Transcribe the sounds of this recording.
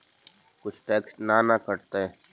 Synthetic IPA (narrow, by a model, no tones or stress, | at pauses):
kʊt͡ʃʰʈɛːksʈnaːnakəɾt̪eɛ